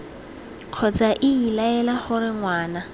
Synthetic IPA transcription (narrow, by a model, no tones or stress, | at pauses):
kʰɔt͡saʔɪilaɛlaχʊɾɪŋwaːna